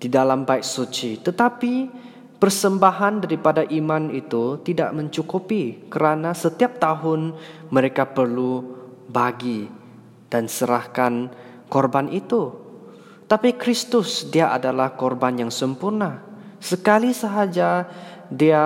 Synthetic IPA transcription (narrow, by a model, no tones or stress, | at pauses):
d̥idalambaɪk̚sut͡ʃit̪ət̪api | pərsəmbaɦandaɾipadaʔimanit̪ut̪ida̰ʔmə̃ɲt͡ʃukupikəɾanasət̪iap̚t̪aɦʊnməɾekapərlubaɡi | d̥ansəɾahkan | kɔrbanʔit̪u | t̪apikɾist̪ʊsdiaʔadalahkɔrbanjaŋsəmpurnasəkalisəɦad͡ʒadia